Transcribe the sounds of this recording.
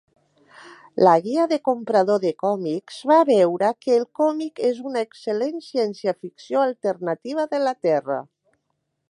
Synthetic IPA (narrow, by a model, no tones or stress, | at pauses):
laɣiəðəkompɾaðoðəkɔmikz̥βaβɛwɾəkəːlˠkɔmikezunaeksəlensjɛnsjafiksioalˠt̪əɾnat̪iβ̞əðəlat̪ɛrə̰